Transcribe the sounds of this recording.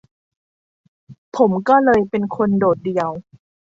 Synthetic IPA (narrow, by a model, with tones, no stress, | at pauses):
pʰo˩˦mkɔː˥˩lɤː˧jpe˧nkʰo˧ndoː˨˩t̪̚di˧əw